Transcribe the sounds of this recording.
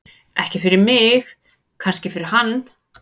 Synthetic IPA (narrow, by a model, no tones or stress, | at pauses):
ɛhcɪfɪɾɪɾmɪx | kʰanscɪfɪɾɪɾ̥hanː